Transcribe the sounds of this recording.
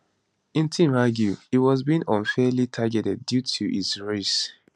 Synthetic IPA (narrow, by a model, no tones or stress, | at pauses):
ĩntʰĩmaɡjuitwɔzbĩnɔ̃nfɛlitʰaɡɛtɛd̚ːjutʰuʔisɹes